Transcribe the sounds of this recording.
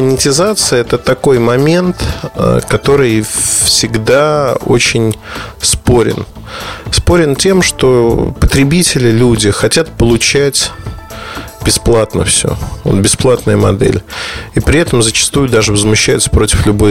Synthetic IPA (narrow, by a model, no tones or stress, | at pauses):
ənʲɪtʲɪzat̪sɨjəɛt̪ət̪ɐkojmɐmʲe̞nt̪kɐt̪o̞ɾɨjfsʲɪɡd̪ao̞̰t͡ɕɪnʲspo̞ɾʲɪ̰n | spo̞ɾʲɪntʲe̞mʂt̪o̞pət̪ɾʲɪbʲitʲɪlʲɪlʲudʲɪxɐtʲat̪̚pəlˠʊt͡ɕætʲ | bʲɪsplˠat̪nə̰fsʲo̰o̰nbʲɪsplˠat̪nəjəmɐ̰d̪ɛ̰lʲipɾʲɪɛt̪əmzət͡ɕɪ̥st̪ujʊd̪aʐɨvəzmʊɕːæjʊt̪sə̥pɾo̞tʲɪ̥flʲʊbo